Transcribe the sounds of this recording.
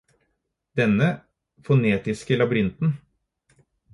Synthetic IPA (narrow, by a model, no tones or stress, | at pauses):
d̪̥ɛnːə | fɔneːt̪ɪskəlɑbɾɪnt̪n̩